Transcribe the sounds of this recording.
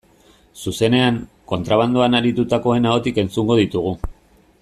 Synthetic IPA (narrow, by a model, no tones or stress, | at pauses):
suse̞ne̞aŋ | ko̞nt̪ɾaβ̞and̪uanaɾit̪ut̪ako̞e̞naot̪ike̞nt͡suŋɡo̞ð̞it̪uɣ̞u